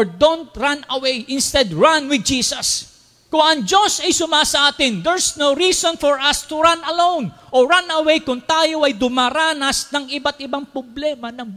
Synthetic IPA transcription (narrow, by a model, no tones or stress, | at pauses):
ɹd̪ont̪̚ɹãnɐwejʔɪ̃nst̪ɛd̪ɹãnwɪd̪̚d͡ʒiːsɐs | kʊŋɐŋd͡ʒosɐjsʊmasɐʔaːt̪ɪnd̪ɛɹsnowɾiːsɔ̃nfɔɹʔɐst̪ʊɹanɐlõwnʔoɹanɐwejkʊŋt̪aːjoʔɐjd̪ʊmaɾaːnɐsnɐŋɪbat̪̚ʔɪbaŋpɹʊblɛmɐnɐŋb